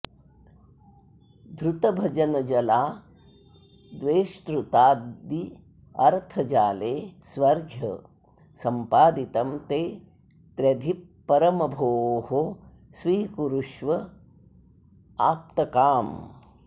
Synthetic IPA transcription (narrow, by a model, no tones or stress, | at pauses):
d̪ɾut̪ɐbʱɐd͡ʒɐnɐd͡ʒɐlaː | d̪ʋeːʃʈɾut̪aːd̪i | ɐɾt̪ʰɐd͡ʒaːleːsʋɐɾɡʱjɐ̰ | sɐmpaːd̪it̪ɐmt̪eː | t̪ɾɐd̪ʱipːɐɾɐmɐbʱoːɦo | sʋiːkuɾuʃʋɐ | aːp̚t̪ɐkaːm